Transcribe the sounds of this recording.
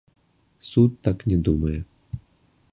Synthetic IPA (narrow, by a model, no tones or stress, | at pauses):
sut̪ːaknʲɛd̪umɐjɛ